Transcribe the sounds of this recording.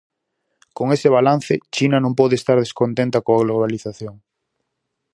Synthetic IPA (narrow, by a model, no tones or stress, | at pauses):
koŋeseβ̞alan̟θet͡ʃinanõmpɔðest̪aɾðeskont̪ẽnt̪akoaɣloβ̞aliθaθjoŋ